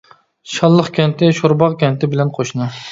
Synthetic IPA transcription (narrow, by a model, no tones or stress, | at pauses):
ʃɑlˠːəχkʲʰɛnt̪ʰɪʃoɾbɑʁkʲɛnt̪ʰɪbɪlɛnqʰoʃnɨ